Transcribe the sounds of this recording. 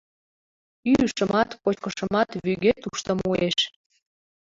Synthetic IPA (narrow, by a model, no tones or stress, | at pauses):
yyʃəmɑt̪pot͡ɕkəʃə̆mɑt̪βyɣet̪uʃt̪əmueʃ